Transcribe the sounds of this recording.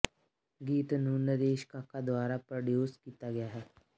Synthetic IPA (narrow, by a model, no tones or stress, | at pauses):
ɡiːt̪nuːnəɾeːʃkakad̪waːɾapɾɐɖjoːskiːt̪aɡɐjaɦɛː